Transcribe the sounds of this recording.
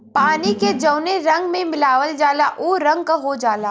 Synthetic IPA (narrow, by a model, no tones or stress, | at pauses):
paːniked͡ʒɐʊneɾɐ̃ŋɡmẽmɪlaːʋəld͡ʒaːlaʔoːɾɐ̃ŋɡ̚kaɦod͡ʒaːlaː